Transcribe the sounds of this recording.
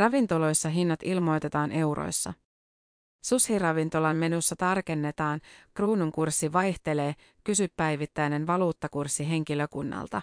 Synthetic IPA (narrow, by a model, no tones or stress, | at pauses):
rɑʋint̪olo̞jsːɑɦinːɑt̪ilmo̞jt̪e̞t̪ɑːnʔe̞wɾo̞̰jsːɑ̰ | sushirɑʋint̪o̞lɑmmenusːɑt̪ɑrke̞nːe̞t̪ɑːnkruːnuŋkursːiʋɑjht̪e̞le̞ː | kysypːæjʋit̪ːæjne̞nʋɑluːt̪ːɑkursːiɦe̞ŋk̟iløkunːɑ̰lt̪ɑ̰